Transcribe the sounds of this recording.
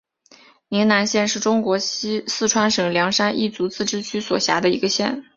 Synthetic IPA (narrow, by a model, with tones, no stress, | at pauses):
ni˧˥na˧˥nɕjɛ˥˧nʂɻ̩˥˩ʈ͡ʂʊ˥ŋkwɔ˧˥ɕsɹ̩˥˩ʈ͡ʂʰwa˥nʂɤ˨˩ŋljɑ˧˥ŋʂa˥nʔḭ˥˩t͡su˧˥t͡sɹ̩˥˩ʈ͡ʂɻ̩˥t͡ɕʰy˥swɔ˨˩ɕja̰˧˥d̪ə˧ḭ˧˥ɡə˧ɕjɛ̰˥˩n